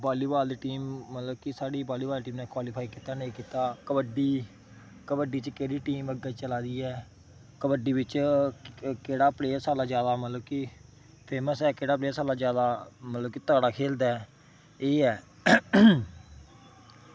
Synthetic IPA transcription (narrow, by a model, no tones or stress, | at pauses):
baːliːbaːld̪iːʈiːmːət̪ləbkɪsaːɽiːbaːliːbaːlʈiːmnɛːkwaːlɪpʰaːiːkiːt̪aːnẽːkiːt̪aːkəbəɖiː | kəbəɖiːt͡ʃkeːɾiːʈiːməɡət͡ʃəlaːd̪iːɛː | kəbəɖiːbɪt͡ʃ | keːɽaːpleːsaːlaːd͡ʒjaːd̪aːmət̪ləb̚kɪ | pʰeːməsɛːkeːɽaːp̬leːsaːlaːd͡ʒjaːd̪aːmət̪ləb̚kit̪aːɽaːkʰeːld̪ɛː | eːɛː